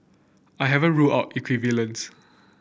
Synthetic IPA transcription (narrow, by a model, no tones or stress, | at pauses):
aɪɦɛvə̃nɹuaʊtikʰwivələ̃ns